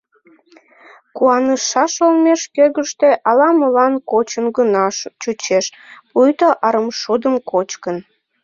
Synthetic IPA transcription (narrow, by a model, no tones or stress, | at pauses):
kuɑnəʃɑʃolmeʃkøɣəʃt̪e̽ʔɑlɑməlɑnkot͡ɕənɡənɑʃt͡ɕut͡ɕeʃpujt̪oʔɑɾəmʃod̪əmkot͡ɕkən